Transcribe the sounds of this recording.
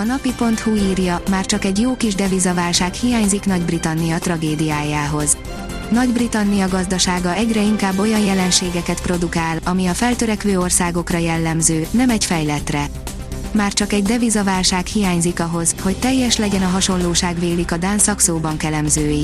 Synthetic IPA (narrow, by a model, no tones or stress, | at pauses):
ɒnɒpipo̞nt̪huiːrjɒmaːrt͡ʃɒkɛɟjoːkiʒd̪ɛvizɒvaːlʃaːkhijaːɲziknɒɟbrit̪ɒnːijɒt̪rɒɡeːd̪ijaːjaːɦo̞z | nɒɟbrit̪ɒnːijɒɡɒzd̪ɒʃaːɡɒɛɟrɛiŋkaːbːo̞jɒnjɛlɛnʃeːɡɛkɛt̪pro̞d̪ukaːlɒmiɒfɛlt̪øɾɛkʋøːo̞rsaːɡo̞krɒjɛlːɛmzøːnɛmɛɟfɛjlɛt̪rɛ | maːrt͡ʃɒkɛɟd̪ɛvizɒvaːlʃaːkhijaːɲzikɒɦo̞zho̞c̚t̪ɛjːɛʃlɛɟɛnɒɦɒʃo̞nloːʃaːɡveːlikɒd̪aːnsɒksoːbɒŋkɛlɛmzøːji